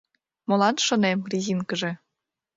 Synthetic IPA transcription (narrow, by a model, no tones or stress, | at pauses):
molˠɑnʃŏnemrʲizinkə̆ʒĕ